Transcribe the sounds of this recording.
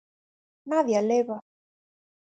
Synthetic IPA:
naðjaleβa

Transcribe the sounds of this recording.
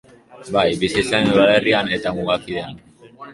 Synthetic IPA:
bajbisisenuðale̞riane̞t̪amuɣakiðean

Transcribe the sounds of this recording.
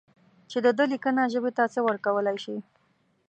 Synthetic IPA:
t͡ʃed̪əd̪əlikənaʒəbet̪at͡səwəɾkawəlajʃi

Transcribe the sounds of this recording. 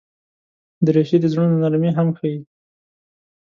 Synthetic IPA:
d̪əɾeʃid̪əzɽonnaɾmeɦamxawi

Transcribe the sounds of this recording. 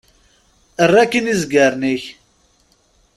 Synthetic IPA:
ərːækːənizɡəɾˤniç

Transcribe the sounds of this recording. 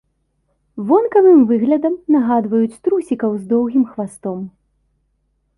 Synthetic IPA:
vɔnkɐvɨmvɨɣlʲɐd̪ɐmnaɣad̪vɐjut͡sʲt̪ɾusʲikɐwzd̪ɔwɣʲimxvast̪ɔm

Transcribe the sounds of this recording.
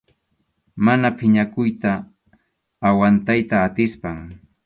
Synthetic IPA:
manapɪɲakʊjt̪aː | want̪ajt̪aːt̪ɪspaŋ

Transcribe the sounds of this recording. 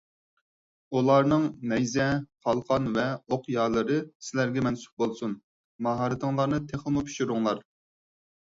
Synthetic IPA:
ulˠɑɾnɨŋnɛjzɛχʰɑlˠqʰɑnvɛoqjɑːlˠɨɾɨsɪlæɾɡʲɛmɛnsy̥p̚bolˠsun | mɑɦɑɾɨt̪ɨŋlˠɑɾnɨt̪ʰeχlˠɨmupʰi̥ʃyɾʊŋlˠɑɾ

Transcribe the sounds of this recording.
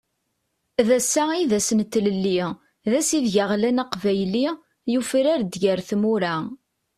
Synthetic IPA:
ðæsːæiðæsnt̪ːləlːi | ðæsiðʝaʁlænaqvæjli | jufiɾaɾd̪ʝəɾθmuɾæ

